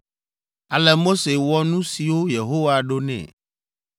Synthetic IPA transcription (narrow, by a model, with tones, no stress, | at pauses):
a˨lɛ˨mo˦se˨wɔ˦nũ˦si˨wo˦je˨ɦo˦wa˨ɖo˦nɛ̰̃˨